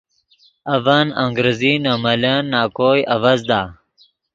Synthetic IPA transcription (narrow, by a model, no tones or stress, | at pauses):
ɐvaːnɐŋɡɾeziːnamɐlanːaːkoːjɐʋɐzd̪aː